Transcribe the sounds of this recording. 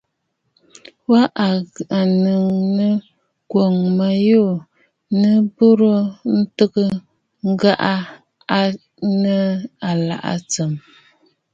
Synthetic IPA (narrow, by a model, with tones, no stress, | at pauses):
wa˦ʔa˨nɨ˨ŋnə˦ | ɡwo˨ŋma˨jo˦˨ | nə˦bo˦ɾo˦n̩˦tə˦kə˦ | ŋ̩˦ɡa˦ʔa˦ | a˦ | nə˦a˨la̰˨ʔa̰˨t͡sə˨m